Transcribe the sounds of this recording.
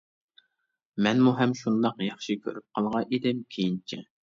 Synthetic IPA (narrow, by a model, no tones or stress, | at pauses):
mɛnmuɦɛmʃund̪ɑqjɑχʃikʲʰøɾyp̚qʰɑlˠʁɑʔed̪ɪmkʲʰejint͡ʃʰɛ